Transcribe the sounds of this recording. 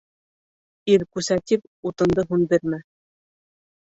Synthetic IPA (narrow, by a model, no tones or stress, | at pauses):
iɾkʉsæt̪ip | ut̪ɤ̆nd̪ɤɦunbiɾmɘ